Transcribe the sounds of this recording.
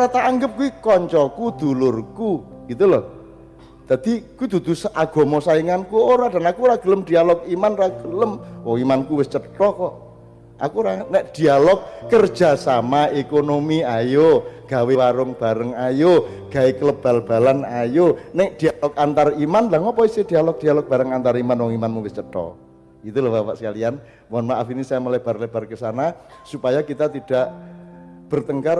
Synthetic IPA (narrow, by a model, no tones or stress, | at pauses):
ɾat̪aːŋɡəp̚kuwikɔɲt͡ʃɔkud̪̥ṳlʊrkuɡ̥it̪ulɔh | d̪̥a̤d̪̥i̤kuwid̪ṳd̪̥ṳsaɡ̥ɔ̤mɔsaiŋankuoɾaɖ̥a̤nakuɾaɡ̥ə̤ləmd̪̥i̤alɔkimanraɡ̥ələmwɔŋimankuwɪst͡ʃətɔkɔʔ | ʔa̰kuɾanɛʔd̪̥i̤alɔk̚ːərd̥ʒ̥a̤samaekonomiajoɡ̥a̤wewaɾʊŋb̥a̤ɾəŋajoɡ̥a̤ekələb̥a̤lb̥a̤lanajonɛʔd̥i̤alɔk̚ant̪arimanlaŋɔpɔisɪd̥̪ialɔk̚d̪̥ialɔk̚b̥a̤ɾəŋant̪aɾimanwɔŋimanmuwɪst͡ʃət̪ɔ̰ | it̪ulabapa̰ʔsə̥kalian | wɔnmaʔafinisajaməleb̥a̤rleb̥a̤rkəsanasupajakit̪at̪id̥aʔ | b̥ərt̪əŋkar